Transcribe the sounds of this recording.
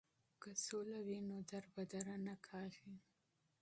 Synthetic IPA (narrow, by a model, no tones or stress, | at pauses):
kasolawinod̪aɾbad̪aɾanakʰɑɣi